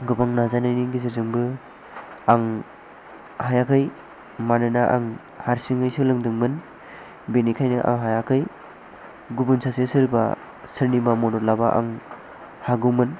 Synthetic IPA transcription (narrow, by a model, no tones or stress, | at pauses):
ɡɯbaŋnazanajniŋɡiziɾzɯŋbɯ | aŋ | hajakʰɯj | manɯnaʔa̰ŋ | haɾsiŋɯjsɯlɯŋdɯŋmɯn | benikʰajnɯʔa̰ŋɦajakʰɯj | ɡubɯnsʰasesɯɾba̰ | sɯɾnibamɔdɔɾlabaʔa̰ŋ | haɡɯwmɯn